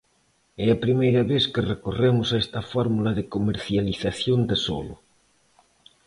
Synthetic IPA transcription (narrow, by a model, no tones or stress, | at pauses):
ɛapɾimejɾaβeθkerekoremʊsaest̪ɐfɔɾmulaðekomeɾθjaliθaθjond̪eso̰lʊ̰